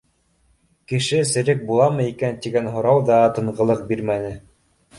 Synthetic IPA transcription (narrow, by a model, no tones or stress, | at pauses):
kɘ̆ʃɘsɘ̆ɾɘk̚bulˠɑmɤikænt̪iɡænɦŏɾɑwðɑt̪ɤ̆ɴʁɤ̆lˠɤq̚biɾmænɘ